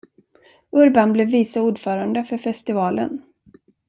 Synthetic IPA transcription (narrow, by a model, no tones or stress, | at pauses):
ɵɾbanblɛːvːiːsauːɖfœːɾand̪əfœɾfɛst̪ɪvɑːlə̰n